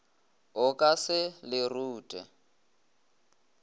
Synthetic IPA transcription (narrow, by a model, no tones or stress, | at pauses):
ʊkʼasɪlɪruːtʼɛ